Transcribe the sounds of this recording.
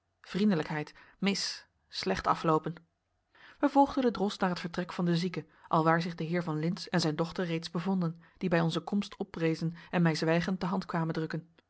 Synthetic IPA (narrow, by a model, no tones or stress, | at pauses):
vrindələkɦɛjt | mɪs | slɛχtɑ̰flowpən | ʋəvɔlˠχdənədrɔsnaːɹɦətfəɹtrɛkfɑndəzikə | ʔɑlˠʋaːɹzɪχdəɦɪːɹvɑnlɪnsɛnzɛjndɔχtəɹːejtzbəvɔndənd̥ibɛjɔnzəkɔmstʰɔprejzənɛnmɛjzʋɛjχənt̚dəɦɑntkʋaːməndrɵkən